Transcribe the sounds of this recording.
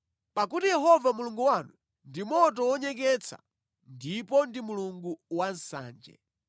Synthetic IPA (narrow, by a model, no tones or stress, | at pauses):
pak̬utijɛɦɔvamuluŋɡuwanu | ndimɔtɔwɔɲɛk̬ɛt͡sʰa̰ | ndipɔndimuluŋɡuwansa̰ːnd͡ʒɛ̰